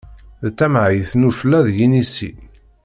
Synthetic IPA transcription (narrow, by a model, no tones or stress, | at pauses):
ðt͡sːæmʕjəθnuflæðjinisḭ